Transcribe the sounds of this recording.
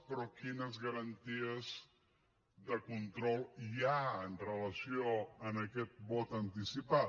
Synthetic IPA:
pɾɔkinəzɣəɾənt̪iəz | ðəkunt̪ɾɔlˠiaənrələsjoənəkɛt̪̚bɔt̪ənt̪isipa

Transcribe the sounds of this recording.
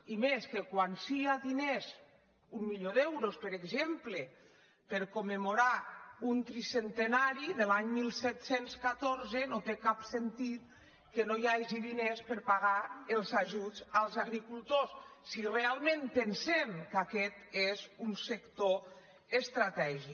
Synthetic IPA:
imeskekwansiaðinez | umːiʎoðɛwɾospeɾeɡzemple | peɾkomemoɾaunt̪ɾisent̪enaɾiðelaɲmilˠsɛt̪senskat̪oɾzenot̪ekapsent̪it̪̚ | kenojaʒiðinespəɾpaɣaelˠzaʒuzalˠzaɣɾikulˠt̪ossirealˠmẽnpensemkakɛt̪ezunsekt̪o | est̪ɾat̪ɛʒi

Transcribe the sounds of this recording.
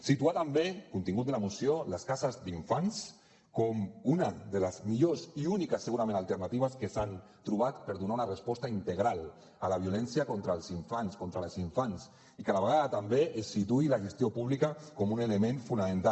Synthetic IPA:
sit̪uat̪ambekunt̪iŋɡut̪elamusjolaskasazd̪iɱfans | kɔmunaðelazmiʎoziunikasːeɣuɾamẽnalˠt̪eɾnat̪iβ̞askesan | t̪ɾuβ̞at̪pəɾðunaunarespɔst̪aint̪eɣ̞ɾal | alaβ̞julɛnsjakɔnt̪ɾalˠziɱfanskɔnt̪ɾalziɱfans | ikaðaβəɣaðat̪ambeʔesːit̪uilaʒest̪jopuβlikakɔmunelemẽɱfunamẽnt̪a

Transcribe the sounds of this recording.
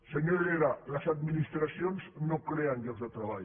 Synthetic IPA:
səɲoɾeɾaləzad̪̚minist̪ɾasjonznokɾeənɡelzd̪ət̪ɾaβaʎ

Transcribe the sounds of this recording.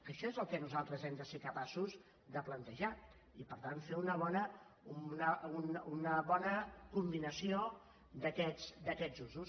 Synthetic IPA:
əʃɔezəlˠkɛnuzalˠt̪ɾəzɛmd̪əsekəpasuz | d̪əplənt̪əʒa | ipəɾt̪anfeunəβɔnə | nəununəβɔnəkumbinəsio | d̪əkɛsd̪əkɛd͡zuzus

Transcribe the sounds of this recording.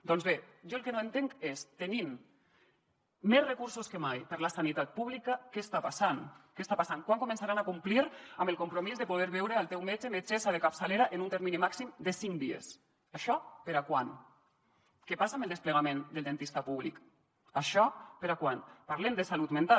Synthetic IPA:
d̪ɔnzβeʒoelkenoent̪eŋkest̪enim | ezrekuɾsuskemajpəɾlasanit̪at̪̚puβlikakest̪apasankest̪apasaŋkwaŋkumẽnsaɾanakumpliɾamelkumpɾomizðepuð̞eɾβɛwɾealˠt̪ewmed͡ʒemet͡ʃesaðekapsaleɾaʔenunt̪eɾminimaksimd̪esiŋd̪iḛs | aʃɔpeɾakwan | kepasamelˠd̪espleɣ̞amẽnd̪elˠd̪ent̪ist̪apuβ̞lik | aʃɔpeɾakwanpaɾlemd̪esalut̪mẽnt̪a

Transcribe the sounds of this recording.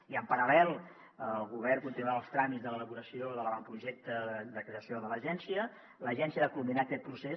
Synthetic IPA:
iəmpəɾəlɛlˠ | əlˠɣuβ̞ɛrkunt̪inuaalˠst̪ɾamizðələləβuɾəsioðələβampɾuʒɛk̚t̪əd̪əkɾeəsioðələʒɛnsiə | ləʒɛnsiəðakulˠminakɛt̪̚pɾuse

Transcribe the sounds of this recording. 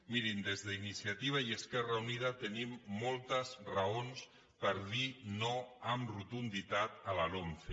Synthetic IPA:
miɾind̪ezðəinisiat̪iβ̞aiəskɛrauniðat̪ənimːɔlˠt̪əsraons | pəɾðinoamrut̪und̪it̪at̪əlaloɱfe

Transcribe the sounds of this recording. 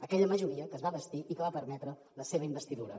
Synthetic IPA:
əkɛʎəməʒuɾiəkəzβaβəst̪iʔikəβapəɾmɛt̪ɾə | ləseβəimbəst̪iðuɾə̰

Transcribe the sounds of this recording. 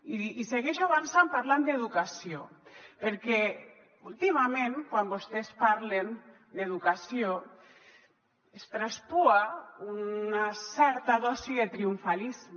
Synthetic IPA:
iiseɣɛʃaβansampaɾland̪eðukasiopeɾkɛ | ult̪imamẽnkwambost̪ɛspaɾlen | d̪eðukasio | est̪ɾaspuaunasɛɾt̪aðɔsiðet̪ɾiuɱfalizm

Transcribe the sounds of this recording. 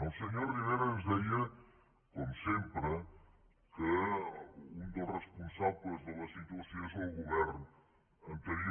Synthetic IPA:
əlˠsəɲoɾriβeɾanzðɛjə | komsempɾə | kə | und̪ərəspunsaβləzðələsit̪uɐsjonzðəlˠɣuβɛɾn | ɐnt̪əɾi

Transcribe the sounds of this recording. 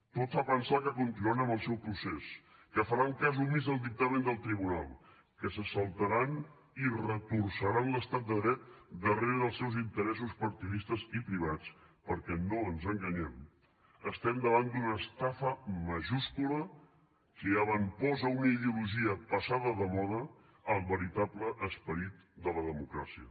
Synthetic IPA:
t̪ot̪fapənsakəkunt̪inuanəmbəlˠsɛwpɾuses | kəfəɾaŋkazumizðəlˠd̪ik̚t̪əmend̪əlˠt̪ɾiβuna̰lˠ | kəsəsəlˠt̪əɾan | irəkuɾsəɾanləst̪at̪̚d̪əðɾɛt̪̚d̪əreɾəðəlˠsɛwzint̪əɾɛsuspəɾt̪iðist̪əzipɾiβ̞at͡s | pəɾkɛnoənzəŋɡəɲɛm | əst̪ɛmd̪əβant̪d̪unəst̪afəməʒuskulə | kəəβəmpɔzəunəiðiuluʒiəpəsaðəðəmɔðəː | lˠβəɾit̪apləʔəspəɾit̪̚ | d̪ələðəmukɾasiə̰

